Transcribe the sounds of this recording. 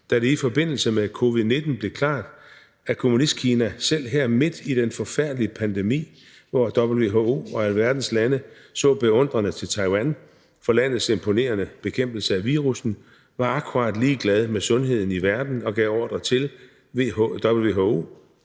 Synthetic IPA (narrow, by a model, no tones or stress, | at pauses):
d̥æɾ̥e̝ifɒ̽b̥e̝n̰l̩səmekʰo̝ʋiðˠne̝d̥n̩b̥le̝kʰlɑ̰̈ːd̥ | ækʰo̝munisd̥̚kʰiːnæsel̰ɦeɐ̰me̝d̥id̥enfɒ̽fæɐ̰d̥liəpʰænd̥emḭː | ʋɒd̥ɒ̽b̥l̩ʋe̝ɦoo̝̰ːɒ̽æləʋæɐd̥n̩slænə | sɔ̰̽ːb̥e̝ɔ̽n̰d̥ʁɐnət͡sʰe̝lt͡sʰɑ̈ɪwæn | fɒ̽læn̰ð̞̩ˠse̝mpʰo̝ne̝̰ːɐnəb̥e̝kʰem̰b̥l̩səæʋiːʁusn̩ | ʋɑ̈ɑ̈kʰuʁɑ̈d̥liːɡ̥lɛð̞ˠmesɔ̽nɦe̝ð̞̰ˠn̩iʋæɐd̥n̩ɒ̽ɡ̥ɛʊɒ̰ːd̥ʁɐt͡sʰe̝l | d̥ɒb̥l̩ʋe̝ɦoo̝̰